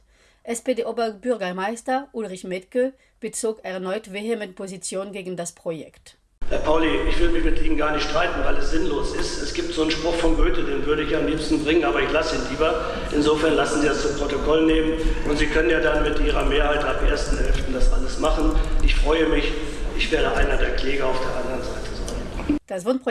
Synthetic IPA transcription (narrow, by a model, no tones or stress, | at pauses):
ʔɛspedeːʔoːbɐbʏɐɡɐmaɪstɐʔulʁɪçmɛtkl̩ | b̥ət͡soːkɛɐnɔʏtv̥eɦɛmənpʰozit͡sjoːnɡeːɡŋ̩daspʁ̥ojɛ̰kt | hɛːɐpʰaʊliʔɪçv̥ɪldəmɪçmɪtʔiːmənɡaːɐnɪçtʃtʁ̥aɪtn̩vaɪlɛsz̥ɪnloːsɪstɛsɡ̥iːp̚tz̥oːnʃpʁ̥ʊxfɔnɡøːtədeːnvʏɐɾəɪçaːmliːpstn̩bʁɪŋənʔaːbɐɪçlasəiːnliːbɐ | ʔɪnzoːfɛɐnlasn̩ziːdast͡sʊmpʁ̥otokʰɔlneːmənʔʊntz̥iːkʰœnənjaːdanmɪtʔiːʁ̞ɐmeːɐhaɪtapʔeːɐstn̩hɛlftn̩dasʔa̰ləsmaχn̩ʔɪçfʁ̥ɔʏəmɪçʔɪçv̥eːɐdəʔaɪnɐdeːɐkl̥ɛːɡɐaʊfd̥eːɐʔandəʁənzaɪtʰəzaɪnd̥asv̥ʊnp